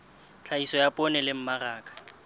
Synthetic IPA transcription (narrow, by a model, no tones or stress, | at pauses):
t͡ɬʰaisɔjapʼɔnɛlɪm̩maraːkʼḁ